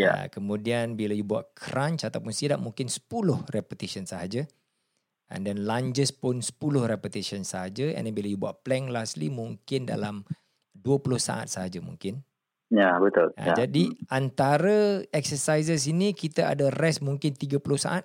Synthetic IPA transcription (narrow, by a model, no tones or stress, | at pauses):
ja̰kəmũdianbilajubua̰ʔ̪̚kʰɾaɲt͡ʃat̪awpʊnsidaʔ̚muŋkɪnsə̥pulʊhrɛpət̪isənsəɦad͡ʒa | ɛ̰ndɛnlaɲd͡ʒəspʊnsə̥pulʊhrɛpət̪isənsəɦad͡ʒaɛ̰ndɛnbilajubua̰ʔplɛŋlaslimuŋkɪnda̰lam | duəpulʊhsa̰ʔa̰t̪̚səɦad͡ʒamṵ̃ŋkɪn | jabət̪ʊla̰jad͡ʒadiʔant̪aɾəɛk̚səsajsəs̬inikit̪aa̰darɛsmuŋkɪnt̪iɡapulʊhsa̰ʔat̪̚